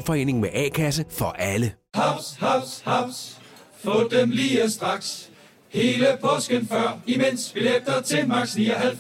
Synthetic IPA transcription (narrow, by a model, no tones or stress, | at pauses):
fɒ̽e̝̰ːne̝ŋmeʔɛ̰ːkʰæsəfɒ̽ʔælə | hɑ̈ʊshɑ̈ʊ̰shaɑʊ̰sfɔːd̥emliːəsd̥ʁɑ̈ɡ̥s | he̝ːləpʰɒ̽sɡ̥ənfɶɐ̰imen̰sʋ̥ileɡ̥̚d̥ɐt͡sʰe̝mɑ̈ɡ̥sniɐæl